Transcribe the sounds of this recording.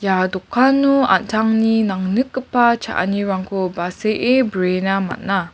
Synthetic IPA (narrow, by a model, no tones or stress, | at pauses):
jadokʰːanua̰ntʰaŋninaŋnɯkːəpat͡ʃa̰ʔa̰niɾaŋkobaseʔebəɾenama̰t̚na